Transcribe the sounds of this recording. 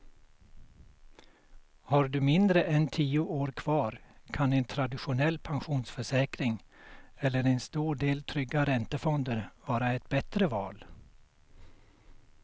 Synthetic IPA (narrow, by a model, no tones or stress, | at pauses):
haɾɖɵmɪnd̪ɾəʔɛnt̪ʰiːʊʔoːɾkʰv̥ɑːɾkʰanɛnt̪ʰɾad̪ɪɧʊnɛlːpʰanɧuːnsfœʂɛːkɾɪŋ | ɛlːəɾɛnst̪uːɖeːlt̪ʰɾʏɡːaɾɛnt̪əfɔnd̪əɾvɑːɾaɛt̪̚bɛt̪ɾəvɑ̰ːl